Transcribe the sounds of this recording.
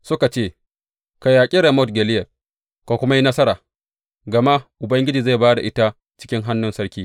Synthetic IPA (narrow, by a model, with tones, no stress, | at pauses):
sʊ˦ka˨t͡ʃeː˦˨ | ka˨jaː˨kʲʼi˦ɾe˨mo˦tɡʲɛ˨lɪ˦jɛ˨ | ka˨kʷʊ˦ma˦ji˦nɐ˦sɐ˦ɾaː˨ | ɡɐ˨ma˦ʔʊ˨bɐ˦ŋɡʲɪ˦d͡ʒiː˨za˦˨baː˦da˨ʔɪ˦ta˦ | t͡ʃɪ̥˦kʲɪ˦ŋɦa˦nːʊ˦nsɐ˦ɽkʲiː˦